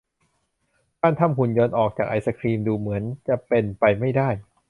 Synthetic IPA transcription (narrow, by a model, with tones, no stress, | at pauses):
kaː˥˩nt̪ʰa˧˥˩mku˨˩njoː˧nʔɔː˨˩k̚t͡ɕaː˨˩k̚ʔa˧jsa˧kʰɾiː˧mduː˧mɯ˩˦ənt͡ɕa˨˩pe˧npa˧jma˥˩jdaː˥˩j